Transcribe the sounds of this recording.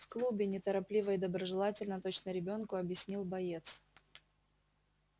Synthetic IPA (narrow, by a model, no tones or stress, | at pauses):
fklˠubʲɪnʲɪt̪əɾɐplʲivəɪd̪əbɾəʐɨlˠatʲɪlʲnət̪ot͡ɕnəɾʲɪbʲo̞nkʊɐbjɪsʲnʲilˠbɐjet̪s